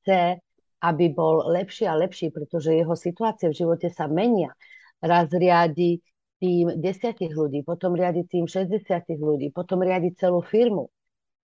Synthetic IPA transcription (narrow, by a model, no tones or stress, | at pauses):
t͡sɛ | ʔabibɔllɛpʃiːalɛpʃiːpɾɛt̪ɔʒɛjɛɦɔsit̪uaːt͡sɪɛvʒiʋɔcɛsamɛɲɪa | ɾazɾɪaɟi | t̪iːmɟɛsɪaciɣluɟiːpɔt̪ɔmɾɪaɟit̪iːmʃɛzɟɛsɪatiɣluɟiːpɔt̪ɔmɾɪaɟict͡sɛluːfiɾmṵ